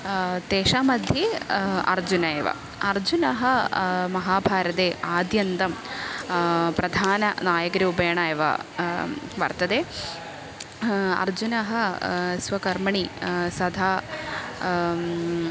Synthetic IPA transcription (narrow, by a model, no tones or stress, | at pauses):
t̪eːʂaːmɐd̪ʱjɐɐ̰ɾd͡ʒunɐjɐʋɐ̰ | ɐɾd͡ʑunɐɦɐ̆mɐɦaːbʱaːɾɐt̪eːʔaːd̪jɐnt̪ɐm | pɾɐd̪ʱaːnɐnaːjɐkɾɐubɐjɐɳaːjɐʋɐ̰ | ʋɐ̰ɾt̪ɐd̪eː | ɐ̰ɾd͡ʒunɐɦɐsʋɐkɐɾmɐɳisɐd̪ʱaː